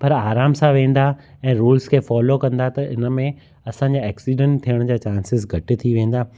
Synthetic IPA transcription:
pɐɾaːɾaːmsãʋẽːn̆d̪aɛ̃ːɾuːlskʰeːfɔːlokɐ̃nd̪at̪ɐɪnə̆mẽ | ɐsãːɲd͡ʑaɛːksiɖɛ̃ɳʈt̪ʰijəɽ̃d͡ʑaːt͡ɕãːnsɪzɡʱɐʈɪ̆t̪ʰiʋẽːn̆d̪aː

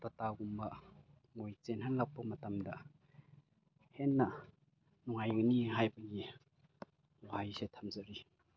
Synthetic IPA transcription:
tataɡumbɐ | ŋojt͡ʃenɦanlak̚pɐmɐtɐmdɐ | henːɐ | nuŋajniɦajbɐɡi | wajsetʰamzɐɾi

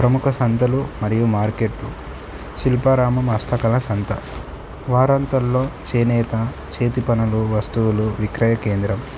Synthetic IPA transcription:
pɾɐmukʰɐsɐnt̪ɐlumɐɾijumaːɾkeʈːu | ʃilpaɾaːmɐmɐst̪ʰɐkɐlɐsɐnt̪ʰɐ | ʋaːɾant̪ɐlːo̞ːt͡ʃeːnɛːt̪ɐ | t͡ʃeːt̪̬ipɐnɐluʋɐst̪uwuluʋikɾɐjɐke̞ːnd̪ɾɐm

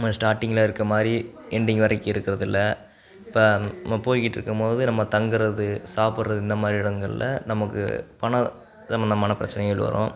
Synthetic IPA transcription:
mːɐsʈaːɾʈːɪŋɡɐlaːɪɾɯkːɾɐmaːd̪ɾiɛɳɖɪŋɡʋɐɾɐɪkːɯɪɾɯkːɪɾɐðɪlːɐ | pːɐmɐpoːjkɪʈːɪɾɯkːɯmpoːðɯnɐmːɐt̪ɐŋɡɯɾɐðɯsaːpɯɽɾɐðɯɪnd̪ɐmaːd̪ɾiɪɽɐŋɡɐɭɪ̰lɐ̰nɐmɐkːɯ̰pɐnɐ | sɐmbɐnd̪ɐmaːnɐpɪɾɐt͡ʃːɐnɛɣɐɭʋɐ̰ɾõ̰ː

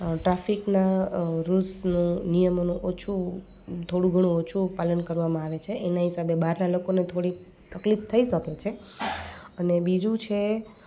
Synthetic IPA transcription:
ʈɾafiknaɾulsnũnijəmonũʔot͡ʃʰu | t̪ʰoɽũɡʱəɽ̃ũot͡ʃʰupalənkəɾʋamãaʋet͡ʃʰeʔenaɦisabebaɾnalokonet̪ʰoɽi | t̪əklift̪ʰəiʃəket͡ʃʰe | ənebid͡ʒũt͡ʃʰe

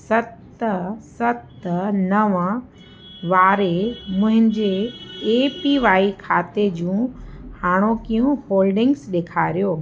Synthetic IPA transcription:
sɐt̪ | sɐt̪nɐʋ | ʋaːɾemʊ̃ɦɪ̃ɲd͡ʑeː | piʋaːikʰaːt̪ed͡ʑũːhaːɽ̃okijũhoːlɖɪ̃ŋɡsɗeːkʰaːɾijoː

